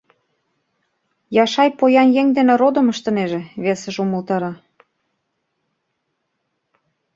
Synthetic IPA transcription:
jɑʃɑjpojɑnjeŋd̪eneɾod̪ə̆məʃt̪ɤ̆neʒĕβesə̆ʒumə̆lt̪ɑɾɑ

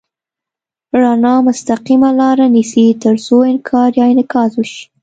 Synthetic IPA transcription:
ɾɑnɑmʊst̪aqimalɑɾanisit̪əɾzoɪnkʰɑɾjɑɪnɪkɑzwuʃi̥

